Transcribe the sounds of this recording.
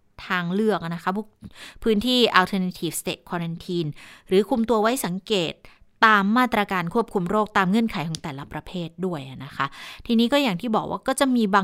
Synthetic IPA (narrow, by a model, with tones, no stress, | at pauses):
t̪ʰaː˧ŋlɯ˥˩ək̚na˦˥kʰa˦˥pʰu˦˥˩pʰɯː˦˥nt̪ʰiː˥˩ʔaː˧t̪ʰɤː˧na˦˥t̪ʰiː˥˩f̚st̪eː˨˩t̪̚kʰwɔː˧ɾa˧nt̪ʰiː˧nɾɯː˩˦kʰu˧mt̪u˧ɐwa˦˥jsa˩˦ŋkeː˨˩t̪̚ː | aː˧mːaː˥˩t̪ɾa˧kaː˧nkʰu˥˩əp̚kʰu˧mɾoː˥˩k̚t̪aː˧mŋɤ˧˥ənkʰa˨˩˦jkʰɔː˩˦ŋt̪ɛː˨˩la˦˥pɾa˧pʰeː˥˩t̪̚du˥˩əjʔa˨˩na˦˥kʰa˦˥ʔt̪ʰiː˧niː˦˥kɔː˥˩ja˨˩ŋt̪ʰiː˥˩bɔː˨˩k̚wʔaː˥˩kɔː˥˩t͡ɕa˨˩ʔmiː˧baː˧